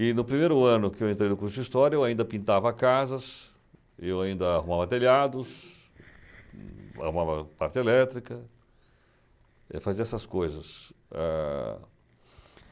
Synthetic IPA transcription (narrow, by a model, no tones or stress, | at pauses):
ɪnʊpɾimejɾʊɐ̃nʊkɪewẽnt̪ɾejnʊkuɾsʊist̪ɔɾjɐewaĩnd̪ɐpĩnt̪avɐkazɐs | ewaĩnd̪ɐahumavɐt̪eʎad̪ʊs | a̰humavɐpaɾt͡ʃ̪ɪelɛt̪ɾikɐ | ɛ̰faziɐɛsɐskojzɐsa̰